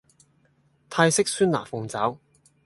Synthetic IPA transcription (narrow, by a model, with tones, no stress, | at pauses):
t̪ʰaː˧jsɪ˥k̚syː˥nla̰ː˨˩fʊ˨˧ŋt͡saː˨˥w